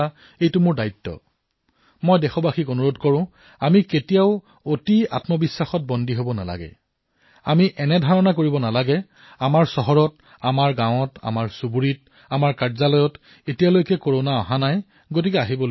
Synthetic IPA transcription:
a | ejtʊmʊɹdajtːɔ̰ | mɔjdɛxɔbaxikonuɹodkɔɹʊ̃ | amiketijaʊ | otia̰tmɔbisːaxɔt̚bɔndiɦobɔna̰la̰ɡɛ̰ | a̰miʔɛnɛdʱaɹɔnakoɹibɔnalaɡɛ | amaɹsɔɦɔɹɔt | amaɹɡãw̃ɔta̰maɹsubuɹit | amaɹkaɹzalɔjɔt | etijalojkɛkoɹonaaɦanaj | ɡot̬ikɛaɦibɔl

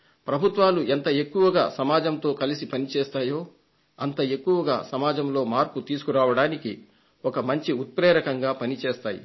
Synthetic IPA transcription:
pɾɐbʱut̪ʋaːluent̪ɐe̞kːuʋɐɡa̰ːsɐmaːd͡ʒɐmt̪o̞ːkɐlisipɐnit͡ʃeːst̪aːjoː | ɐnt̪ɐe̞kːuʋɐɡa̰ːsɐmaːd͡ʒɐmlo̞ːmaːɾput̪iːsu̥kuɾaːʋɐɽaːniki | ɔkɐmɐɲt͡ʃiut̪̚pɾeːɾɐkɐŋɡaːpɐnit͡ʃeːst̪aːjḭ

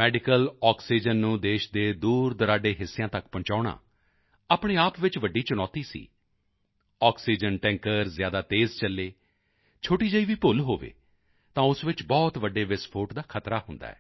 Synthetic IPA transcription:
mɛːɖɪkəlɔːksiːd͡ʒənːũːd̪eːʃd̪eːd̪uːɾd̪əɾaːɖeːɦɪsːejãːt̪əkpə̃ɲt͡ʃaːɽa̰ː | aːpɳeːaːpʋɪt͡ʃʋəɖːiːt͡ʃʊnɔːt̪iːsḭː | ɔːksiːd͡ʒənʈɛ̃ːŋkəɾzjaːd̪aːt̪eːzt͡ʃəlːeː | t͡ʃʰoːʈiːd͡ʒəiːʋiːpʊlɦoːʋḛː | t̪ãːʊsʋɪt͡ʃbɔːt̪ʋəɖːeːʋɪspʰoːʈd̪aːkʰət̪ɾaːɦʊ̃nd̪a̰ːɛ̰ː

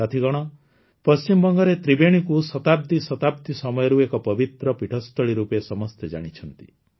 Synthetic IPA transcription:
kat̪ʰiɡɔɽ̃ɔ | pɔst͡ʃimbɔŋɡɔɾet̪ɾibeɽ̃ikusɔt̪ab̚d̪isɔt̪ab̚d̪isɔmɔjɔɾuekɔpɔbit̪ɾɔpiʈʰɔst̪ɔɭiɾupesɔmɔst̪ʰed͡ʒa̰ɽ̃it͡ʃʰɔnt̪i̥̰

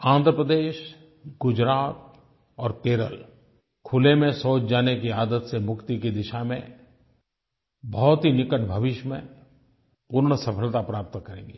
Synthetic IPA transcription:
ãːnd̪ʱɾəpɾəd̪eːʃ | ɡ̥ʊd͡ʒɾaːt̪̚ | ɔːɾkeːɾə̰l | kʰʊlemẽsoːt͡ʃd͡ʒaːnekiaːd̪ət̪semʊkt̪ikid̪ɪʃamḛ̃ | bʱɔːt̪ɦinɪkəʈbʱɐʋɪʃmḛ̃ | puːɾɳsɐpʰəlt̪apɾaːp̚t̪kɐɾẽːɡi

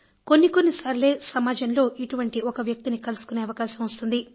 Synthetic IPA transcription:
ko̞nːiko̞nːisɐɾle̞ːsɐmaːd͡ʒɐnlo̞ːʔiʈuʋɐɳʈiokɐʋjɐk̚t̪inikɐlusu̥kune̞ːɐʋɐkaːʃɐmost̪und̪i

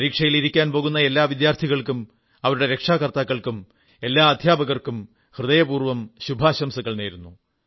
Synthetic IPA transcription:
ɾiːkʂɐjiliɾikʲːaːnpo̞ːɣun̪ːɐe̞lːaːʋid̪jaːrt̪ʰiɣɐɭkum | ɐʋɐɾuɽe̞ɾe̞kʂaːkɐrt̪aːkːɐɭkum | e̞lːaːɐd̪ʱjaːbɐɣɐrkum | hrɨðɐjɐpuːrʋɐmɕubʱaːɕɐmsɐɣːɐɭneːɾunːu

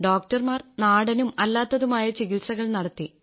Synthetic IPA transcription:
ɖoːk̚ʈɐrmaːrnaːɽɐnumɐlːaːt̪ːɐðumaːjɐt͡ɕiɣilsɐɣɐɭnɐɽɐt̪ːi

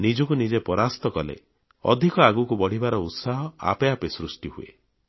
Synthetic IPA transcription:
nid͡ʒɔkunid͡ʒepɔɾast̪ɔkɔlḛ | ɔ̰d̪ʱikɔaɡukubɔɽ̤ibaɾɔut̪saɦɔa̰peapesɾusʈiɦuḛ

